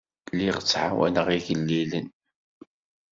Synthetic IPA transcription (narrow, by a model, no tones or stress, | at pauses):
liʁt͡sːʕawæ̰nəʁiʝəlːilən